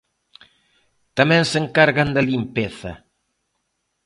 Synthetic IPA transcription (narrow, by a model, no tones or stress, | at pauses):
t̪amɛ̃ŋseŋkaɾɣand̪ɐlimpeθɐ̰